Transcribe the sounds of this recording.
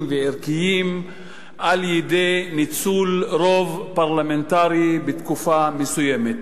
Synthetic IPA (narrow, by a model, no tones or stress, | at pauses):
veeʁkijim | ʔaljedejnit͡sulɾovpaʁlament̪aʁibet̪kufamesujemet̪